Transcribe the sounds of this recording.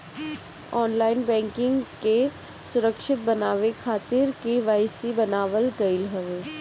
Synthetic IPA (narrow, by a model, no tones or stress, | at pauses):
ɔːnlaːɪnbɛ̃ːŋkɪ̃ŋɡke | sʊɾəkʃɪt̪̚bɐnaːʋekʰaːt̪ɪɾkiʋaːɪsibɐnaːʋəlɡɐɪlɦɐʋeː